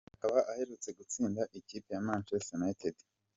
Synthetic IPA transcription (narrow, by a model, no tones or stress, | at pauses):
hakaβaʔahe̞ɾut͡se̞ɡut͡siːndaʔikiːpejamaːnʃesenaetedi̥